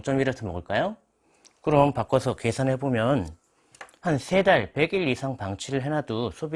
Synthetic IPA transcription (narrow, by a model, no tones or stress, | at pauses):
t͡ɕ͈ʌmiɾʌtʰɯmʌɡɯɭk͈ajo | kɯɾʌmpak͈ʌsʰʌke̞sʰanɦebomjʌn | hansʰe̞daɭpe̞ɡiɭisʰaŋpaŋt͡ɕʰiɾɯɭɦe̞nadosʰobi